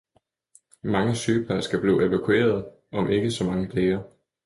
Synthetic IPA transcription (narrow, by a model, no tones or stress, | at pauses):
mɑ̈ŋəsyːpʰæɐsɡ̥æb̥lḭːʔe̝ʋækʰue̝̰ːɐð̞ˠ | ʔɒ̽mʔe̝ɡ̥əsɒ̽mɑ̈ŋəd̥leːɐ